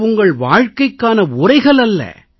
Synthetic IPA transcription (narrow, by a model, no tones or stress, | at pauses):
ʊŋɡɐɭʋaːɻkɐɪkːaːnɐʊrɐɪɣɐɭɐlːɐ̰